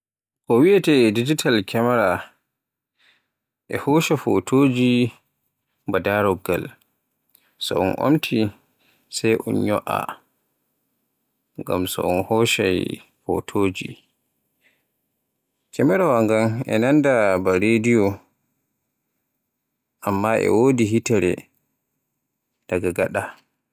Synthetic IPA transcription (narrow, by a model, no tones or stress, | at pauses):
kɔwiatɛdid͡ʒitʰalkʰɛmɛɾa | ʔɛ̰hɔʃafo̰tʰoːd͡ʒi | mbadaɾɔɡːa̰l | sɔ̰ʔɔ̰nʔo̰mtʰi | sajʔɔ̰nɲɔ̰ʔa̰ | ŋɡa̰msɔ̰ʔɔnhɔʃaj | fo̰tʰoːd͡ʒḭ | kɛmɛɾawaŋɡanɛ̰nandabaɾedijɔ | ʔamːaʔɛ̰wodiɦitɛɾɛ̰ | d̥aɡaɡaɗa